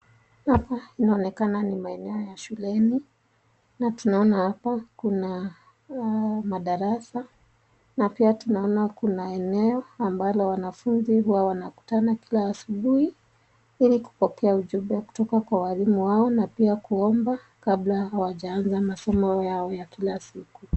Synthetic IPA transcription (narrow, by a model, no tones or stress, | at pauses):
hapainaɔnɛkananimaɛnɛɔjaʃulɛni | natunaɔnahapakuna | maɗaɾasa | napiatunaɔnakunaɛnɛɔambalɔwanafunziɦuwawanaku̥tanakilaːsuɓuhi | iliku̥pɔkɛauʄubɛku̥tɔkakwawalimuwaɔnapiakuɔmba | kablahawaʄaanzamasɔmɔjaɔjakilasiku